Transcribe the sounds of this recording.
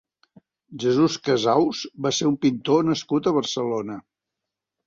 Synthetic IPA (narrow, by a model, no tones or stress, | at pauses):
ʒəzuskəzawzβaseɾumpint̪onəskut̪əβərsəlonə